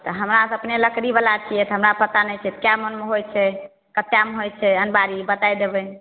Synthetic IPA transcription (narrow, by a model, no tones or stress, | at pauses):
t̪ɔɦəmɾasəpneləkɾibəlat͡ʃʰijɛt̪ɦəmɾapət̪anɛjt͡ʃʰɛt̪ɔ̥kjamənmeɦojt͡ʃʰɛ | kət̪ːjameɦojt͡ʃʰɛənbaɾibət̪ajd̪ebɛ